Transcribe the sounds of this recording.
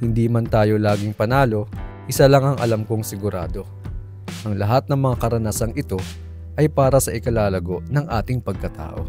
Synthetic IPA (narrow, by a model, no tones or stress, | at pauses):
hɪnd̪iːmɐnt̪aːjo̞laːɡɪŋpɐnaːlo̞ʔɪsalɐŋɐŋʔɐ̰lamko̞ŋsɪɡʊɾa̰ːd̪o̞ | ʔɐŋlɐɦat̪̚nɐŋmɐŋakɐɾɐnaːsɐŋɪt̪o̞ | ʔɐjpaːɾɐsɐʔɪkɐlaːlɐɡo̞ʔnɐŋʔaːt̪ɪŋpɐɡ̚kɐt̪a̰ːʔo̞̰